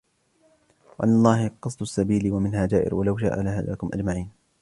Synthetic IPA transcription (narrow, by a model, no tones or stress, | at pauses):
waʔanːɑlˤːɑːhqɑsˤd̪ʊsːabiːlɪwamɪnhaːd͡ʒaːʔɪ̰ɾwalawʃa̰ʔa̰laha̰la̰ːkʊmʔa̰d͡ʒmaʕiːn